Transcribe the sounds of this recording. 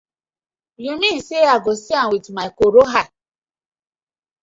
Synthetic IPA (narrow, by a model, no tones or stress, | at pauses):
jumiseaɡosianwitmaikoɾoɦa